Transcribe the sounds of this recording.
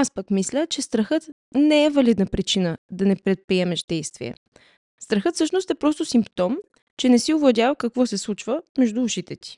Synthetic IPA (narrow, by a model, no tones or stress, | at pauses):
aspəkmislʲət͡ʃɛst̪ɾɐxɤt̪ | nɛɛvɐlid̪nəpɾit͡ʃinəd̪ɐnɛpɾɛt̪̚pɾiɛmɛʃd̪ɛjst̪vḭjə̰ | st̪ɾɐxɤt̪fsɤʃnʊst̪ɛpɾɔst̪ʊsimpt̪ɔm | t͡ʃɛnɛsiʊvlˠɐd̪ʲjavkɐkvɔsɛslˠut͡ʃvəmɛʒd̪uːʃit̪ɛt̪i̥